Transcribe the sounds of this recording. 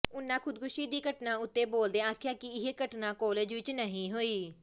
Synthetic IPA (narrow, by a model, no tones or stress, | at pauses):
ʊnːãːkʰʊd̪kʊʃiːd̪iːkəʈnãːʊt̪ːeːboːld̪eːaːkʰjaːkɪɪɦeːkəʈnãːkɔːleːd͡ʒʋɪt͡ʃnəɦĩːɦoːiː